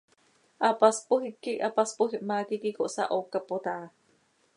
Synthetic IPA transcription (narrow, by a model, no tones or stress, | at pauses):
ʔapaspuɦiʔkːiʔapaspuɦiʔmakikikoʔsa̰ʔokapod̪aʔa